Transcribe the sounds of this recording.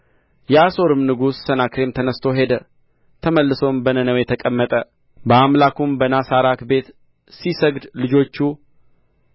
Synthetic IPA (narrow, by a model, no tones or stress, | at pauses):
jɛaso̞ɾɨmnɨɡusːənakɾe̞mt̪ʰənəst̪ʰo̞ɦe̞d̪ə | t̪ʰəməlːɨso̞mbənənəwjɛt̪ʰəkʼəmːət̪ʼə | bəamlakumbənasaɾakbe̞t̪ | sisəɡd̪lɨd͡ʒo̞t͡ʃːu